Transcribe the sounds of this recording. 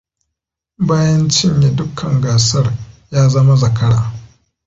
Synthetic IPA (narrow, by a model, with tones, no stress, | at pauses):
baː˦jɐ˦nt͡ʃɪ˦ɲje˨dʊ˦kʰɐ˨ŋɡaː˨sɐ˦rjaː˦zɐ˦ma˦zɐ˨kɐ˦ɽaː˨